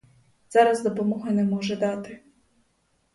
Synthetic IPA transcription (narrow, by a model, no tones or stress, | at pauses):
zɑɾɐzd̪ɔpɔmɔɦʊnɛmɔʒɛd̪ɑt̪ɪ